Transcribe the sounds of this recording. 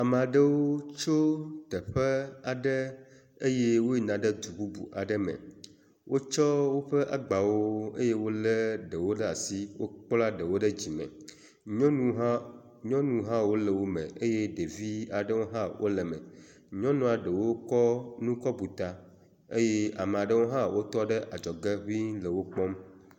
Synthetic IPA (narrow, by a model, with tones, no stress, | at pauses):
a˨me˨a˨ɖə˦wo˦t͡ʃo˦t̪ə˨ɸə˦a˨ɖə˦ | e˦je˦wo˦i˨nã˨ɖə˦d̪u˨bu˦bṵ˨ʔa˨ɖə˦mɛ̰̃˨ | wʔo˦t͡ʃɔ˦wo˦ɸə˦ʔa˨ɡ͡ba˨wo˦ḛ˦je˦wo˦lə˦ɖə˨wo˦ɖə˦a˨si˦wo˦k͡pla˦ɖə˨wo˦ɖə˦d͡ʑi˨mɛ̰̃˨ | ɲɔ̃˦nũ˦ɦa˦ | ɲɔ̃˦nũ˦ɦã˦wo˦lə˨wo˦mḛ̃˨e˦je˦ɖe˨vi˦a˨ɖə˦wo˦ɦã˦wʔo̰˦lə˨mɛ̰̃˨ | ɲɔ̃˦nũ˦a˨ɖə˨wo˦kɔ˦nũ˦kɔ˦bu˨t̪a˨ | e˦je˦a˨me˨a˨ɖə˦wo˦ɦã˦wo˦t̪ɔ˦ɖə˦ʔa˨d͡ʒɔ˨ɡe˦ɦu˦i˦nlə˨wo˦k͡pɔ˦m